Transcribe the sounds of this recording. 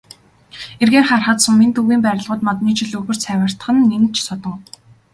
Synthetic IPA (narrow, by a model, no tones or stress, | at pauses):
erɣeːrχarχə̆t̪sɵ̆mːent̪ɵɣiːmpæːɾʲɪ̆ɮʁʊːt̪mɔt̪niːt͡ɕʰɪ̆ɮɵɣɵ̆r̥t͡sʰæːwə̆r̥t̪ə̥̆χɘ̆nːent͡ɕʰsɔt̪ɞ̆ŋ